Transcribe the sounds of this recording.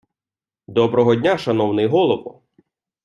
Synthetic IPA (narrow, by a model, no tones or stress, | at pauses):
d̪ɔbɾɔɦɔdʲnʲaʃɐnɔwnɪjɦɔlˠɔʋʊ̰